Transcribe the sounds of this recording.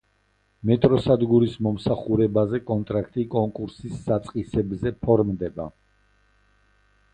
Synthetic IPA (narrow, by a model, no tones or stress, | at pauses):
mɛt̪ʼɾɔsad̪ɡuɾismɔmsaχuɾɛbazɛkʼɔnt̪ʼɾakʰt̪ʼikʼɔŋkʼuɾsisːat̪sʼqʼisɛbzɛpʰɔɾmd̪ɛba